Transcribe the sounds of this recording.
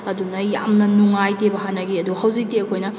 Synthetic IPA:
ɐdunɐjamnɐnuŋajtebɐɦanɐɡiɐduhɐwzik̚teɐkʰojnɐ

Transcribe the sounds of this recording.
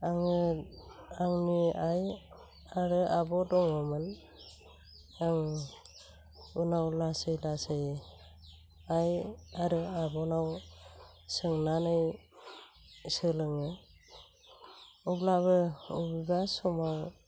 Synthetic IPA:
aŋɯ | aŋnuaj | aɾɯʔabɔdɔŋɔmɯn | aŋ | unawlasɯjlasɯj | ajaɾɯabɔnaw | sɯŋnanɯj | sɯlɯŋɯ | ublaβɯubibasɔmaw

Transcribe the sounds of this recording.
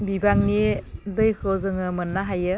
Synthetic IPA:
bibaŋnidɯjkʰɯzɯŋɯmɯnːaɦajɯ

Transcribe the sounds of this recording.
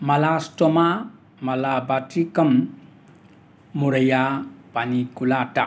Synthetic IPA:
malastoma | malabatikɐm | uɾəjab̥anikulata

